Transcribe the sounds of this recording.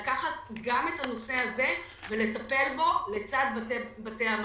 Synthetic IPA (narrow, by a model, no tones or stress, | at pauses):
kaχat̪̚ɡame̞tano̞se̞aze̞ | ve̞le̞t̪ape̞lbo̞le̞t͡sad̪̚bbat̪eam